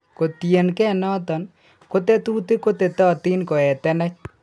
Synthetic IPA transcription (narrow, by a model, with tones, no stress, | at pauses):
ko˨t̪ie˨nkɛ˦nɔ˦t̪ɔ˨n | ko˦t̪e˦t̪uː˦t̪e˦ko˦t̪e˨t̪ɔː˦t̪i˦nko˨ɛ˨t̪ɛ˦nɛ˦t͡ʃ̚